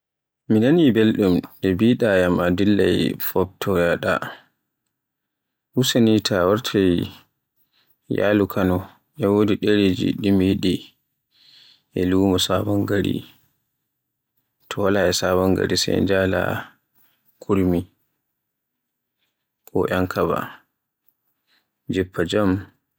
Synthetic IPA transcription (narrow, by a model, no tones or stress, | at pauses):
minanibelɗumʔɛbiɗajamadilːa̰jfɔb̚tʰɔjaɗa̰ | husanitʰawaɾtʰaj | ja̰lukʰanɔ | ʔɛwoːdiɗeɾed͡ʒḭɗimjiɗi | ʔɛlumɔsabaŋɡaɾḭ | tʰɔwalaɛsaβaŋɡa̰ɾisɛ̰j̰nd͡ʒala̰ | kʰuɾmi | kɔʔaŋkʰaβa̰ | d͡ʒɛpːad͡ʒam